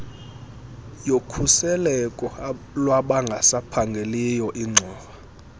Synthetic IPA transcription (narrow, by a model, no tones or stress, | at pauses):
jokʰusɛlɛkʼɔ | lwaɓaŋɡʱasapʰaŋɡʱelijɔʔiŋ͡ǀʱɔːɓa